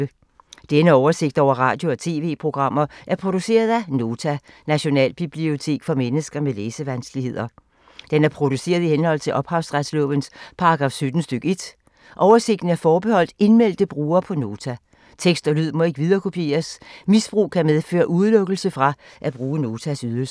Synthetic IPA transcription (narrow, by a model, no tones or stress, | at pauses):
ə | d̥enəɒʊɐse̝ɡ̥d̥ɒʊ̰ɐʁɑ̰̈ːd̥jo̝ɒ̽t͡sʰe̝ːʋe̝̰ːpʰʁo̝ɡ̥ʁɑ̈m̰ɐʔæɐpʰʁo̝d̥use̝̰ːɐð̞ˠæno̝ːt͡sʰænæɕo̝nɛ̰ːlb̥ib̥lio̝t͡sʰe̝̰ːɡ̥fɒ̽menəsɡ̥ɐmeleːsəʋænsɡ̥lihe̝ð̰ˠɐ | d̥enæɐpʰʁo̝d̥use̝̰ːɐð̞ˠihenhɒ̽l̰t͡sʰe̝lʔɒ̽b̥hɑ̈ʊsʁad̥slɔ̰ʋənspʰɑ̈ɑɡ̥ʁɑ̈fsød̥n̩sd̥øɡ̥e̝d̥ | ʔɒʊɐse̝ɡ̥̚d̥n̩æɐfɒːb̥e̝hɒ̽l̰d̥e̝nmel̰d̥əb̥ʁuːɐpʰɒ̽no̝ːt͡sʰæ | t͡sʰeɡ̥sd̥ɒ̽lyð̞̰ˠmɒ̽e̝ɡ̥ʋið̞ˠɐːkʰo̝pʰje̝̰ːɐsmisb̥ʁṵːkʰæmeðˠfø̰ːɐʔuð̞ˠlɔ̽ɡ̥l̩səfʁɑ̈ʔæb̥ʁuːəno̝ːt͡sʰæsyð̞ˠɐl̩s